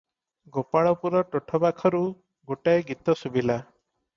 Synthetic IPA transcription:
ɡopaɭɔpuɾɔʈoʈʰɔbakʰɔɾu | ɡoʈaeɡit̪ɔsubila

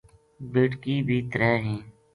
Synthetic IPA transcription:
bɪʈkiːbʱiːt̪ɾɛːɦĩː

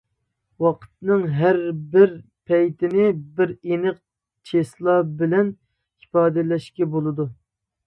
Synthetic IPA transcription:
wɑqʰə̥t̪̚nɨŋɦæɾbɪɾ | pʰɛjt̪ʰɪnɪbɪɾenɨq̚ | t͡ʃʰeslˠɑbɪlɛn | ipɑːd̪ɪlɛʃkʲɛbolˠɨd̪u

